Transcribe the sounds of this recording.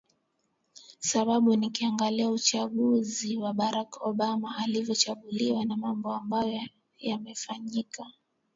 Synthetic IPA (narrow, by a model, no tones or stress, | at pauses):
saɓaɓunikiaŋɡaliaut͡ʃaɠuziwaɓaɾakɔɓamaːlivjɔt͡ʃaɠuliwanamambɔambajɔ | jamɛfaɲika